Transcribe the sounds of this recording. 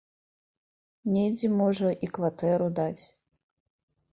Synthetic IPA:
nʲejd͡zʲɛmɔʐɐʔikvat̪ɛɾud̪at͡sʲ

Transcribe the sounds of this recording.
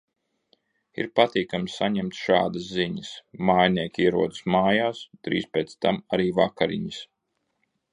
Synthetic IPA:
ḭɾpat̪iːkamsːaɲɛmt̪ʃaːd̪ɐsziɲəsmaːjniɛkʲiɛɾuɔd̪ɨsmaːjaːst̪ɾḭːspʲeːt̪st̪amaɾiːvakaɾḭɲis

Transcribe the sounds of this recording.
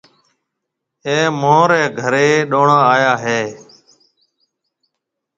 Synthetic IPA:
eːmõːɾɛːɡʱəɾeːɗoːɳaːaːjaːɦeː

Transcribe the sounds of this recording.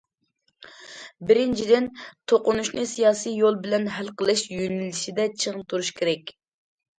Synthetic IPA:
bɪɾɪnt͡ʃʰid̪ɪnt̪ʰoqʊnuʃnɨsijɑːsijjolˠbɪlɛnɦælqəlˠɪʃjønɪliʃid̪ɛt͡ʃʰəʁt̪ʰuɾuʃkʲʰeɾɛkʲ

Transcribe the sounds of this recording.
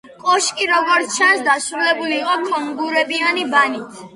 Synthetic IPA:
kʼɔʃkʼiɾɔɡɔɾt̪sʰt͡ʃʰansd̪asɾulɛbuliːqʼɔkʼɔmɡuɾɛbianibanit̪ʰ

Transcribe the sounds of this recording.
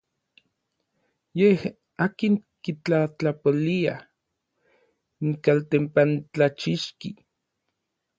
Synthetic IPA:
jeh | aːkiŋkit͡ɬat͡ɬapolia | iŋkalt̪empant͡ɬat͡ʃiʃki

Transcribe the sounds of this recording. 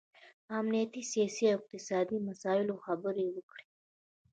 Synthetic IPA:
amnijat̪isijɑsiaɪq̚t̪ɪsɑd̪imasɑɪloxabəɾewəkɽe̥

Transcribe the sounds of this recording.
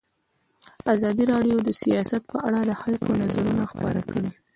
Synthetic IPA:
azɑd̪iɾɑɖjod̪əsijɑsat̪̚pəʔaɽad̪əxalkonazaɾunaxpə̰ɾa̰kəɽi

